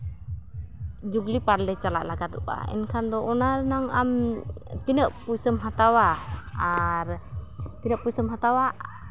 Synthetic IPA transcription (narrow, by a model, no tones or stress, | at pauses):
d͡ʒuɡlipaɾlɛt͡ʃalaʔlaɡad̪ɔʔa̰ɛ̰nkʰand̪ɔʔɔnaɾnaŋamt̪inəʔpujsəmɦat̪awaaɾt̪inəʔpujsəmɦat̪awa